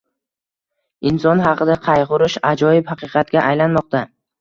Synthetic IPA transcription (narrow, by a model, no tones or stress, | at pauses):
ɪnsɒnɦɑqɨd̪aqʰɑjʁʊɾɪʃad͡ʒɒjɪphɑqɨqʰɑt̪ɡʲaʔajlanmɒq̚t̪a